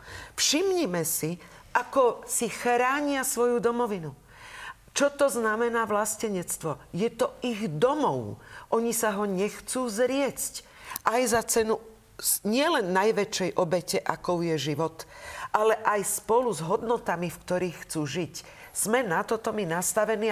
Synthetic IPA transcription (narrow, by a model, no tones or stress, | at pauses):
fʃimɲimɛsiʔakɔsixɾaːɲɪasʋɔjud̪ɔmɔʋinu | t͡ʃɔt̪ɔznamɛnaːʋlascɛɲɛt͡st̪ʋɔjɛt̪ɔiɣd̪ɔmɔʊʔɔɲisaɦɔɲɛxt͡suːzɾɪɛt͡sc | ʔajzat͡sɛnu | ɲɪɛlɛnːajʋɛt͡ʃɛjʔɔbɛcɛʔakɔʊjɛʒiʋɔt̪ʔalɛʔajspɔluzɦɔd̪nɔt̪amifkt̪ɔɾiːxːt͡suːʒic | z̥mɛnat̪ɔt̪ɔminast̪aʋɛniː